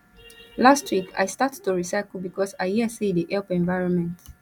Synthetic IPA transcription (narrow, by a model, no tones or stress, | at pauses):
lastʰwikʰa̰jstattːuɹisaɪkl̩bikʰɔsajjiəsidiʔɛlpɛ̃ɱvajɹɔ̃nmɛ̃nt